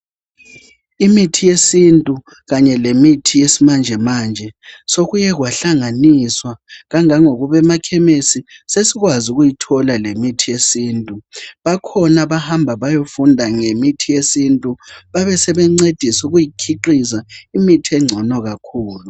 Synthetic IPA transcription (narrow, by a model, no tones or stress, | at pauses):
imitʰijesintʼu | ɣaɲɛlemitʰijesimand͡ʒʱɛmaːnd͡ʒʱɛsoɣujɛɣwaɬaŋaniswaɣaŋaŋoɣuβɛmakʰɛmesisesiɣwazuɣujitʰɔlalemitʰijesiːntʼuβakʰɔnaβahambʱaβajofundʱaŋemitʰijesintʼuβaβɛsɛβɛŋ͡ǀed̥ʱisuɣujikʰiǃisaimitʰiɛŋ͡ǀʱɔnɔɣakʰuːlu